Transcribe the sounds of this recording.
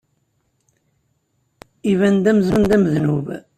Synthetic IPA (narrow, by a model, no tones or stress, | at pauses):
ivænd̪æməðɾund̪æməðnuv